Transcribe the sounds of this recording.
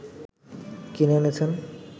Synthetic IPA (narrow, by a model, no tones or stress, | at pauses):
kinenet͡ɕʰen